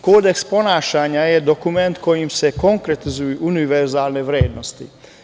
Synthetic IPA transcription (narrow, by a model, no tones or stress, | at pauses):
koːd̪eksponaːʃaːɲajɛd̪okumɛnt̪kojimsɛkoŋkɾet̪izujuʔuniʋɛɾzaːlnɛʋɾeːd̪nost̪ḭ